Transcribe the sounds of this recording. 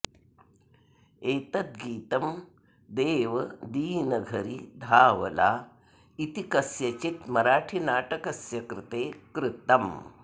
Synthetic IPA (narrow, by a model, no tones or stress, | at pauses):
eːt̪ɐt̪̚ɡiːt̪ɐm | d̪eːʋɐd̪iːnɐɡʱɐɾid̪ʱaːʋɐ̰la̰ː | it̪ikɐsjɐt͡ʃit̪mɐɾaːʈʰinaːʈɐkɐsjɐkɾɪt̪eːkɾɪt̪ɐm